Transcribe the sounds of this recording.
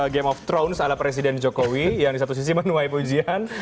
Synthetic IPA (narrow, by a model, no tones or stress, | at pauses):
ɡemɔft̪ɾownsalapɾes̬idɛnd͡ʒokowijaŋdis̬at̪us̬is̬imənuajpud͡ʒian